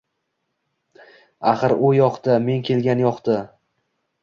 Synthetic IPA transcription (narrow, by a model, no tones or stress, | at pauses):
aχɨɾʊjɒqt̪ɪme̞ŋkʲʰe̞lɡʲanjɒqt̪ʰɪ